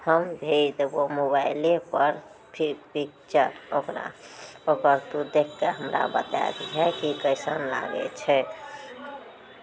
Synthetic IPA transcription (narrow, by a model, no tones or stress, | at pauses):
həmbʱet̪bomobaɪlepəɾ | pʰipik̚t͡ʃəɾokɾa̰okəɾt̪ud̪ekʰːeɦəmɾa̰bət̪a̰d̪iɦɛkikəɪsənla̰ɡɛ̰t͡ʃʰɛ